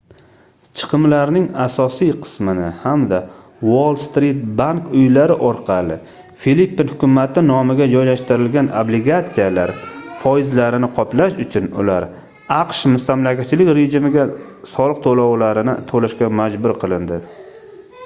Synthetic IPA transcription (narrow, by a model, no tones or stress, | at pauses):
t͡ʃʰɨ̥qʰɨmlaɾnɪŋasɒsijqʰɨ̥smɪnɪhamd̪a | wolˠst̪ɾit̪̚baŋkʊjlaɾɪʔɒɾqʰɑlˠɪ | filipːinhʊkʲʰʊmat̪ʰɪnɒmɪɡʲad͡ʒɒjlaʃt̪ɪɾɪlɡʲanoblɪɡat̪sijalaɾfɒjɪzlaɾɪnɪqʰɒplaʃʊt͡ʃʰʊnʊ̰laɾ | aqʃmʊst̪amlakʲʰat̪̚t͡ʃʰɪlɪkʲɾe̞ʒɪmɪɡʲasɒlˠɨq̚t̪ʰolawlaɾɪnɪt̪ʰolaʃkʲamad͡ʒbʊɾqʰɨlˠɪnd̪ɪ